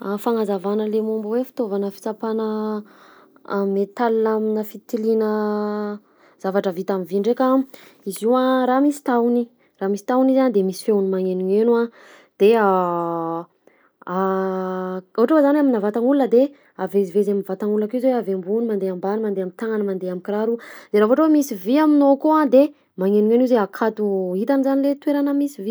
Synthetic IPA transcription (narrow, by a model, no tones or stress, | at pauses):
afaŋazavanəlemumbuwefi̥t̪ovanəfi̥t͡sapanə | met̪alinaminəfit̪ilinə | z̥avaʈ͡ʂəvit̪aminviɳɖ͡ʐekʲa | iziwaɾamisi̥t̪awni | ramisi̥t̪awnizand̪emisi̥fewunimaŋeniŋenua | d̪̥ea | a | oɦaʈ͡ʂwezanaminavat̪aŋulːəd̪e | avezivezaminvat̪aŋulːakizeweavembunimand̪eambanimand̪eamit̪aŋanmand̪eamikiɾaɾud̪̥eɾaɦoaʈ͡ʂwemisiviaminokoad̪e | maŋeniŋenizeakʰat̪uɦit̪anizanilet̪weɾanəmisivi